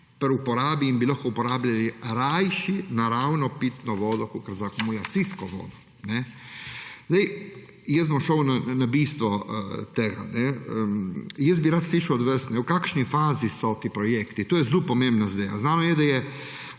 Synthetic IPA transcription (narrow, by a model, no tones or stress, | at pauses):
pɾupɔɾaːbiːnbilaxkɔupɔɾaːblʲaliɾajʃinaɾawnɔpit̪nɔʋoːd̪ɔkokəɾzakumulat̪siskɔʋɔ̰ːd̪ɔ | nɛ | zd̪ej | jɛs̬mamʃownanabiːst̪ʋɔt̪eːɡa̰nɛəjɛs̬̚biɾaːt̪sliːʃawd̪ʋəsnɛwkaːkʃnifaːzisɔt̪iːpɾɔjeːkt̪it̪oːjɛzlupɔmembnazd̪eːʋa̰znaːnɔjɛd̪ajɛ